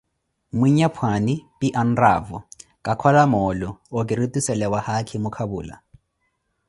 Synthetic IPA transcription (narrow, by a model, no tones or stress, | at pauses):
miɲapʰwanɪpʼiʔan̩ra̰ːvɔ̰kʼakʰwalamɔːlʊːkʼɪɾitʼusɛlɛwahakʰɪmʊkʰabṵːla̰